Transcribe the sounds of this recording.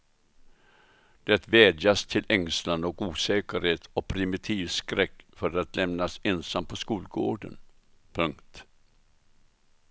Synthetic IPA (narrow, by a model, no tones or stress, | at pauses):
d̪̥ɛt̪vɛːd̪jast̪ʰɪlʔɛŋslanɔkuːsɛːkəɾheːt̪ɔpʰɾɪmɪt̪ʰiːvskɾɛkːfœɾat̪lɛmnasɛnsampʰɔskuːlɡoːɖə̰n | pʰɵŋkt̪